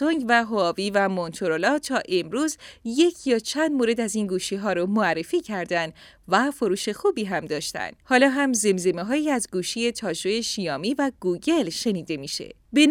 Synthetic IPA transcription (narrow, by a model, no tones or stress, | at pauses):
oŋɡvæɦoːviːvæmont̪ʰoɾolɒːt̪ʰɒːʔe̞mɾuːzje̞cʰjɒːt͡ʃʰænd̪moɾe̞d̪æziːnɡuːʃiːɦɒːɾɔmoærːe̞fiːcʰæɾd̪ænd̪ | væfo̞ɾuːʃe̞xuːbiːɦæmd̪ɒːʃt̪æ̰nd̪̥hɒːlɒːɦæmze̞mze̞meɦɒːjiːæzɡuːʃije̞t̪ʰɒːʒojeʃijɒːmiːvæɡ̥uːɟe̞lʃe̞niːd̪e̞miːʃḛ | ben